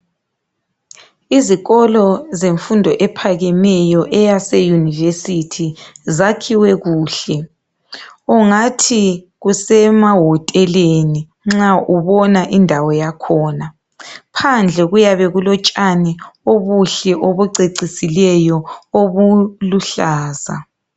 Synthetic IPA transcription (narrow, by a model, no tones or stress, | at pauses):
iziɣɔlɔzeɱfundʱɔʔɛpʰaɣɛmɛjɔʔɛjasejunivesitʰizakʰiwɛɣuːɬɛ | uŋatʰi | ɣusɛmaɦɔtʼɛleni | ŋ͡ǁaʔuβɔnaʔindʱawɔjakʰɔːna | pʰand͡ɮʱɛɣujaβɛɣulɔt͡ʃʼanɛoβuɬɛʔoβuǀeǀisilɛjɔoβuluɬaːza̰